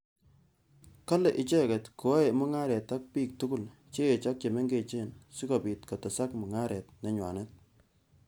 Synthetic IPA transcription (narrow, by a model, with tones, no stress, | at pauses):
ka˦lɛ˨ʔɪ˨t͡ʃɛ˦kɛ˨tku˨wa˦jmʊ˦ŋa˦ɾɛ˨ta˦k̚piː˦˨k̚tu˦ku˦˨l | t͡ʃeː˦˨t͡ʃɔ˦k̚t͡ʃe˨me˦ŋɡe˨t͡ʃe˦nsi˦kɔ˨pi˨tkɔ˨tɛ˨sa˦kmʊ˨ŋa˦ɾɛ˨t̚nɛ˨ɲwa̰˨ne˦t̚